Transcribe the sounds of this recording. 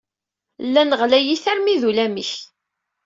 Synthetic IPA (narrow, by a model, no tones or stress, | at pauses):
lːænəʁlæjiθæɾmiðulæmiç